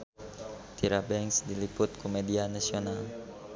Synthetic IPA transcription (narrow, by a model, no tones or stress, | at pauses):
t̪iɾabɛŋsdilipʊt̪̚kʰumɛdianasional